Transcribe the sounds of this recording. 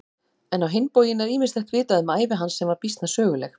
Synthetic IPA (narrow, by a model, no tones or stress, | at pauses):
ɛnawɦenpoːwjɪnɛɾiːmɪnst̪ɛht̪vɪːt̪aðʏmaːjvɪɦansːɛmvaɾpist̪nasœːɣʏlɛx